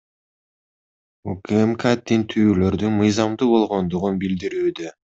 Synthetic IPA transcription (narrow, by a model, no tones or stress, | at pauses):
ukemkad̪int̪ʰyːlø̞ɾd̪ymɯjzɑmd̪ubo̞lˠʁo̞nd̪uʁunbild̪iɾyːd̪ø